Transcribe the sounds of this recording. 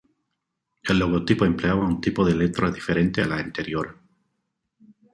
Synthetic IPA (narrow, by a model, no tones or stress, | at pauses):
elːoɣ̞ot̪ipoempleaβaunt̪ipoðelet̪ɾazðifeɾent̪ealaent̪eɾjoɾa